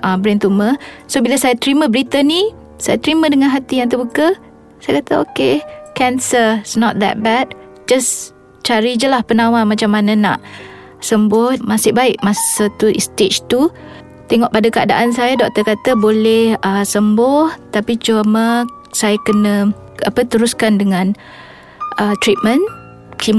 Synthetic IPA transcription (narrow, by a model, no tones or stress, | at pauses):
ʔəbɾɛnt̪uməsobilasajat̪əɾiməbəɾit̪əni | sajat̪əɾimə̃dəŋanɦat̪ijaŋt̪əbukə | sajakat̪əo̰kekɛnsəisnɔt̪̚d̪ɛ̰t̪̚bɛd̚ | d͡ʒas | t͡ʃaɾid͡ʒəlahpənãwamat͡ʃamːanãna̰ʔ | səmbʊhmasɪʔbaɪʔ̚masət̪uḭst̪et͡ʃt̪u | t̪eŋɔʔpadakəa̰daʔansajadɔk̚t̪əkat̪əbolɛhəsəmbɔht̪apit͡ʃuəmə | sajakənə̃ | apət̪əɾuskandəŋãn | ət̪ɾit̪̚mə̃n | kim